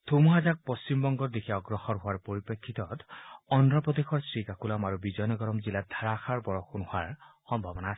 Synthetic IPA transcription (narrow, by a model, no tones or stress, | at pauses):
t̪ʰomuɦad͡ʒak̚pɔsimbɔŋɡɔɾd̪ekʰiaɔɡɹɔxɔɹɦʊaɹpoɹipekʰːit̪ɔt̪ɔndɾɔpɔd̪exʰɔɹsɹikakulamaɹubid͡ʒɔjnɔɡɔɾɔmzilad̪ʱaɹaxaɹbɔɹɔxunuhaɹxɔmbʱabɔna